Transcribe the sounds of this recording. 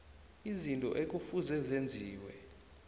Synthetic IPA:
izintʼɔ̰ʔek̬ufuzɛzend͡zʱiːwɛ̰

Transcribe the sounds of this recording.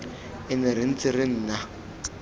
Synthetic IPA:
ɪnɪɾɪn̩t͡sɪɾɪn̩ːna

